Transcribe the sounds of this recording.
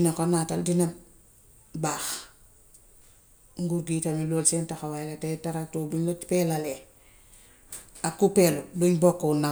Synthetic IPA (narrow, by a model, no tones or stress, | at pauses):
inakonataldina | baːx | ŋɡuɾɡiːtamiloːlsentaxawalatetaɾak̚toduɲtipelale | akːupeluduɲbokːona